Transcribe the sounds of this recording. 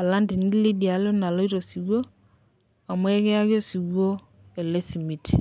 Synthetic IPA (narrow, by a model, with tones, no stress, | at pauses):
a˨la˦ndi˨ni˦li˦di˨a˨lo˦na˨lo˦i˦ɾo˨si˨wwo˦ | a˨mwɛ˦ɣɛ˦a˦ɣjo˦si˨ɣo˦ | e˨le˦si˨mi˨ti